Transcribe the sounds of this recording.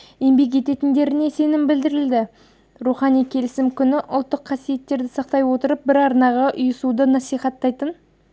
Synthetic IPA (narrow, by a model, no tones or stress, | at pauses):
embe̞k̬ʒe̞t̪e̞t̪ɪnd̪e̞ɾɪne̞se̞nɪmbɪld̪ɪɾɪld̪ɪ | ɾuχɑnijkʲʰe̞lɪsɪmkʲʰʏnɪʔʊ̰lˠt̪ːəqʰɑsije̞t̪ːe̞ɾd̪ɪsɑq̚t̪ɑjwo̞t̪əɾəp̚bɪɾɑɾnɑʁɑʔʊjəsud̪ənɑsijχɑt̪ːɑjt̪ən